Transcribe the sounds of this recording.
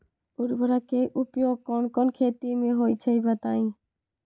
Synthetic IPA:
uɾbəɾakeʔupjoɡ̚kɔnkɔnkʰeːt̪imeɦojt͡ʃʰəibət̪aːĩ

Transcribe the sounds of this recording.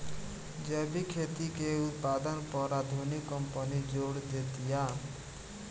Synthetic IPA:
d͡ʒebikʰet̪ikeut̪̚pad̪ʌnpɔɾad̪ʱonikːʌmpənid͡ʒoɽd̪et̪ija

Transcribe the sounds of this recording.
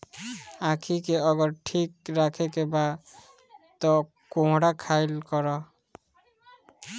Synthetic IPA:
akʰikeɔɡɔɾʈʰikɾakʰekeba | t̪ɔ | kõɦɽakʰajlkɔɾɔ

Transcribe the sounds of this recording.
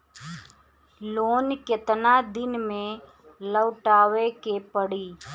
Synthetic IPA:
loːnket̪nad̪ɪnmẽ | ləwʈaːʋekepəɽiː

